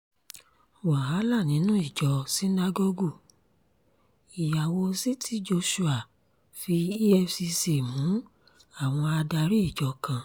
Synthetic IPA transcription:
wa˨ɦa˨˦la˦˨nĩ˨˦nũ˦i˦˨d͡ʒɔ˨si˦na˧ɡɔ˦ɡu˦˨ | i˨ja˨wo˧si˦tʰi˦d͡ʒo˧ʃu˧a˨ | fi˧i˦ɛ˧fsi˧se˨mũ˨˦ | a˦˨w̃ɔ̃˧a˧da˧ɾi˦i˦˨d͡ʒɔ˧kã˧

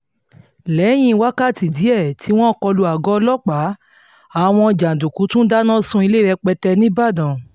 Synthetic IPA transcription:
lɛ˨˦j̃ĩ˧˦wa˦ka˦˨ti˨di˨˦ɛ˦˨ti˨˦w̃ɔ̃˦kɔ˧lu˧a˨ɡɔ˦lɔ˦k͡pa˨˦ | a˨w̃ɔ̃˧d͡ʒa˨n˨du˨ku˨˦tũ˦da˦nã˦sũ˧i˧le˦˨ɾɛ˧k͡pɛ˧tɛ˧nĩ˦ba˦˨dã˨

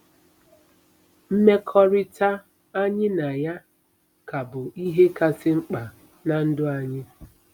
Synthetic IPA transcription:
m̩˦me˦kʰɔ˦ɾɪ˦ta˦ | a˦ɲɪ˦na˨ja˦ | ka˨bʊ˨i˦ɦe˦ka˦sɪ˦ŋ͡m̩˦k͡pa˨ | na˨n̩˦dʊ˦a˨ɲɪ˦

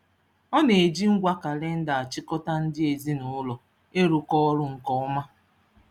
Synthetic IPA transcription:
ɔ˦ne˨e˨d͡ʒi˦ŋ̩˦ɡʷa˦ka˨le˦n̩˦da˨a˨t͡ʃɪ˦kɔ˦ta˦n̩˦dɪ˦e˨zi˦nʊ˨ʊ˦lɔ˨ | e˦ɾʊ˨kɔ˦ɔ˦ɾʊ˦ŋ̩˨kɔ˦ɔ˦ma˦

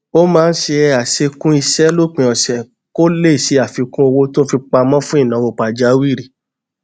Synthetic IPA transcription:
o˦mãː˦˧n̩˦ʃe˧a˨se˧kũ˦i˧ʃɛ˦lo˦k͡pĩ˨˧ɔ˨sɛ˨ | ko˦le˦˨si˨˦a˦˨fi˨˧kũ˦o˧wo˧to˦fi˧k͡pa˧mɔ̃˦fũ˦i˦˨nã˨˦wo˨˧k͡pa˨d͡ʒa˨˦wi˦˨ɾi˨

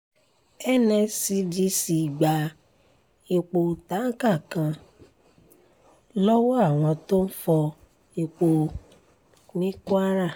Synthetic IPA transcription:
ɛ˦˨nɛ̃˧si˧d͡ʒi˧si˨ɡ͡ba˨ | i˧k͡po˧˨ta˨˦ŋ̩˦ka˦˨kã˧ | lɔ˦wɔ˦a˦˨w̃ɔ̃˧to˦n̩˦fɔ˧ | i˧k͡po˧ | nĩ˦kũ˦a˦ɾa˦˨

